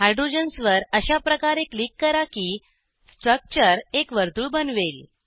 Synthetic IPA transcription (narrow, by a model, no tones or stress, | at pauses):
ɦajɖɾod͡ʑənsʋəɾəɕapɾəkaɾeklikːəɾakiː | sʈɾək̚t͡ɕəɾekʋəɾt̪uɭbənʋel